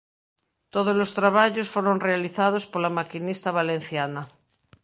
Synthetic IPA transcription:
t̪oð̞ozlost̪ɾaβ̞aʎosfoɾonrealiθað̞ospolamakinist̪aβalen̟θjana

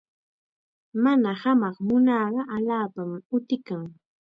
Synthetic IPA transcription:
manahamɑχmʊnɑːɢɑʔaʎaːpamʊt̪ɪkaŋ

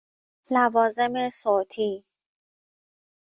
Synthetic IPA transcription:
lævɒːze̞mesoːt̪ʰiː

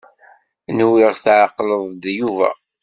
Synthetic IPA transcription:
nwiʁθʕaqːləðˤd̪juvæ̰

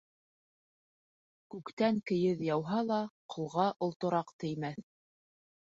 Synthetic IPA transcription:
kʉkt̪æŋkɘ̆jɘðjɑwɦɑlˠɑqʰŏlˠʁɑʔŏlˠt̪ŏɾɑqt̪ɘ̆jmæθ

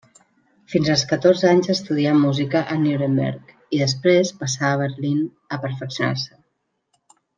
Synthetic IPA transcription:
finzəlˠskət̪orzəaɲzəst̪uð̞iamːuzikəʔənuɾəmbɛ̰ɾk | iðəspɾespəsaəβəɾlin | əpəɾfəksijuna̰rsə

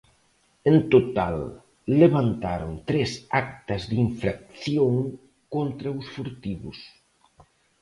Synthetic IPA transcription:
ent̪ot̪alː | eβant̪aɾo̰nt̪ɾesak̚t̪ɐzðiɱfɾak̚θjoŋ | kont̪ɾɐusfuɾt̪iβus

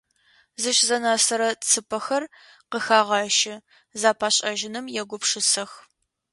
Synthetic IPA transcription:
zɨʃzɐnaːsɐɾɐt͡sʰɨpʰɐxɐr | qəxaːʁɑːʃɪ | zaːpʰaːɕʼɐʒɪnɨmjɛɡʷʊpʂɨsɐx

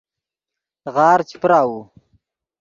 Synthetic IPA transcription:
ɣɑːɾt͡ʃipɾaːwu

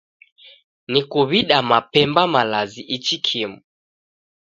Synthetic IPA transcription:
nikuβiɗamapɛmbamalaziʔit͡ʃikʰimu

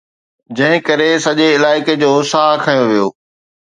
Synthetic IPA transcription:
d͡ʑɐ̃ɦɪ̃kɐɾesɐʄeɪlaːɪked͡ʑoːsaːɦkʰɐjoʋijoː

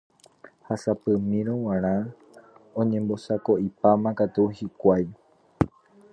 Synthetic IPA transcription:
hasapɨmĩɾ̃õw̃ãɾ̃ã | õɲẽ̞mbo̞sako̞ʔipamãkat̪uhikʷaj

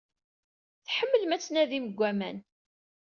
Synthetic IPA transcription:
θħəmːəlmæt͡sːnæðiməɡʷːæmæn

